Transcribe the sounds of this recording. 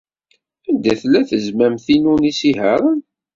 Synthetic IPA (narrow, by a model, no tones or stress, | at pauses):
ænd̪æθlːæθəzmæmθinunisihəɾˤn